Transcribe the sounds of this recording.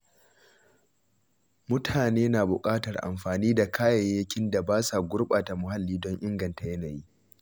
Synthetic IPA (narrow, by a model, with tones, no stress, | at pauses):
mʊ˦tʰaː˨neː˦naː˨bʊ˨kʼaː˦tɐ˨rʔa̰˨mɸaː˨niː˦da˨kʰaː˦jɐ˨jːɐ˦kʲɪ˦nda˨baː˦sa˨ɡʷʊ˦rɓaː˨ta˨mʊ˨ɦa˦lːiː˦dɔ˦ɲʔɪ˦ŋɡɐ˨nta˨jɐ˦naː˨jiː˦